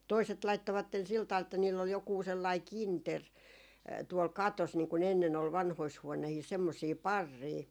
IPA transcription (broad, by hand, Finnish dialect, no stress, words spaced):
toiset lɑitːoʋɑtːen sil tɑʋ̆ɑl etːæ niːlː ol jokuː selːɑˑi kinter tuol kɑtos niːŋ kun enːen ol ʋɑnhois huonehiːs semːosiː pɑrːiː